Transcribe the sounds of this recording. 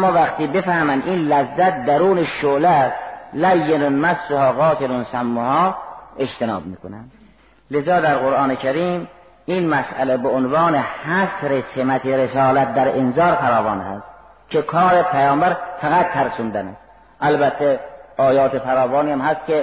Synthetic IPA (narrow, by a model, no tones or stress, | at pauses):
amːɑːvæqt̪ʰiːbe̞fæhmænd̪ʔinlæzːæt̪̚d̪æɾuːneʃolæslæjːenonmæsːohɒːɣɒːt̪ʰelonsæmːohɒːe̞t͡ʃt̪enɑ̰ːbmiːkʰonæ̰nd̪ | lezɒːd̪æɾɣoɾʔɑːnekʰæɾiːm | inmæsʔælebeʔonvɑːnehæsɾesemæt̪ʰeɾesɑːlæt̪̚d̪æɾenzɒːɾfæɾɒːvɒːnhæ̰st̪ | kʰekʰɒːɾepʰæjɒːmbæɾfæɣæt̪ːʰæɾsund̪ænæst̪ | ʔælbæt̪ʰːeɒːjɒːt̪ʰefæɾɒːvɒːniːæmhæske